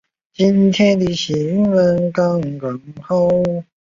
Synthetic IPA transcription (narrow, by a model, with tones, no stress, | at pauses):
t͡ɕi˦nt̪ʰjɛ˥nt̪i˧˩ɕi˨˩y˥nwə˧˥nkɑ˥ŋkə˨˦ŋxo˥